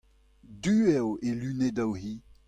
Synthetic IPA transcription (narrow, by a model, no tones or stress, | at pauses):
dyɛwelyned̪awɦi